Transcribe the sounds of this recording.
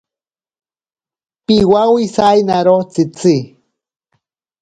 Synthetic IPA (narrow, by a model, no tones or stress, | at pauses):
piwawisajnaɾot͡sit͡si